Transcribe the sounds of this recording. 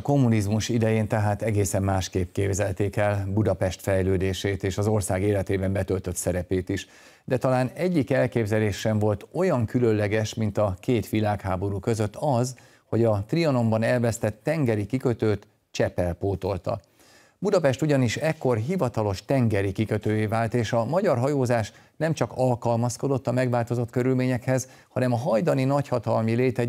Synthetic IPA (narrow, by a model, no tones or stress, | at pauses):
ko̞mːunizmuʃid̪ɛjeːnt̪ɛɦaːt̪ɛɡeːsɛmːaːʃkeːp̚keːbzɛlt̪eːkɛlbud̪ɒpɛʃt̪fɛjløːd̪eːʃeːt̪eːʃɒzo̞rsaːɡeːlɛt̪eːbɛmbɛt̪ø̞lt̪ø̞t̪sɛɾɛpeːt̪iʃ | d̪ɛt̪ɒlaːnɛɟːikɛlkeːbzɛleːʃːɛɱvo̞lt̪o̞jɒŋkylønlɛɡɛʃmint̪ɒkeːt̪ʋilaːkhaːbo̞ɾukø̞zø̞t̪ːɒz | ho̞ɟɒt̪riɒno̞mbɒnɛlvɛst̪ɛt̪ːɛŋɡɛɾikikø̞t̪øːt̪ | t͡ʃɛpɛlpoːt̪o̞lt̪ɒ̰ | bud̪ɒpɛʃt̪uɟɒniʃɛkːo̞rɦivɒt̪ɒlo̞ʃt̪ɛŋɡɛɾikikøt̪øːjeːvaːlt̪eːʃɒmɒɟɒrɦɒjoːzaːʃ | nɛmt͡ʃɒkɒlkɒlmɒsko̞d̪o̞t̪ːɒmɛɡvaːlt̪o̞zo̞t̪køɾylmeːɲɛkhɛz | hɒnɛmɒɦɒjd̪ɒninɒchɒt̪ɒlmileːt̪ɛ